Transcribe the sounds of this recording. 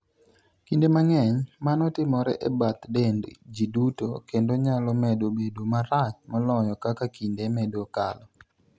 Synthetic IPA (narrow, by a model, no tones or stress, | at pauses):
kindemaŋɛɲmanɔtɪmɔɾɛ̰ʔɛbat̪dendd͡ʒiduto̰kendoɲalɔmɛdobedomaɾat͡ʃmɔlɔjɔkakakindemɛdoka̰lɔ